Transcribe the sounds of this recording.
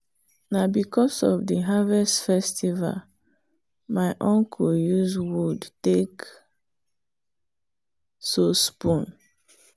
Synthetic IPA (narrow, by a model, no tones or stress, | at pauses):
nabikɔsɔ̰vdiɦavɛstfɛstʰiva̰l | maɪʔɔ̃ŋkʰojuzwudtek | sospũn